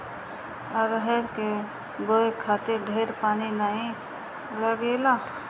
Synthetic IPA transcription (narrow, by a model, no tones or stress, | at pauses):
əɾɦɛɾke | ɡoːekʰaːt̪ɪɾɖʱeːɾpaːninaːĩ | ləɡeːlaː